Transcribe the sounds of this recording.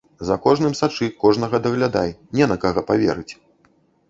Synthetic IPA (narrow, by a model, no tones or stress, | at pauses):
zɐkɔʐnɨmsat͡ʂɨkɔʐnɐɣɐd̪ɐɣlʲad̪a̰jnʲɛnɐkaɣɔpavʲɛ̰ɾɨt͡sʲ